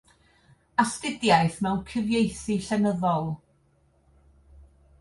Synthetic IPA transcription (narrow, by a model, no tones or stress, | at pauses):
astɪdjajθmɛwnkʰɪvjejθiɬɛnəðɔlˠ